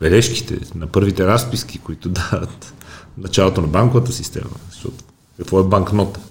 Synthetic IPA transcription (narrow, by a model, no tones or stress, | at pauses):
b̥ɛlɛʃki̥t̪ɛ̰nɐpɤɾvit̪ɛɾaspiskikoit̪ʊd̪ad̪ət̪nɐt͡ʃalˠot̪onɐbaŋkovət̪əsist̪ɛ̰mɐ̰sɔ̰t̪ | kɐkvɔɛbaŋknɔt̪ə̥